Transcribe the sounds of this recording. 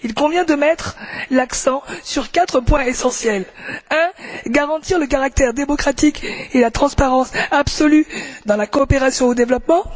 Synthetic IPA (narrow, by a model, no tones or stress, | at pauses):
ilkɔ̃vjɛ̃d̪əmɛt̪χlaksɑ̃syʁkat̪χəpwɛ̃esɑ̃sjɛlɛ̃ɡaʁɑ̃t̪iʁlək̬aʁak̚t̪ɛʁd̪emɔkχat̪ikelat̪χɑ̃spaʁɑ̃sabsɔlyd̪ɑ̃lakɔːpeʁasjɔ̃od̪evlɔpmɑ̃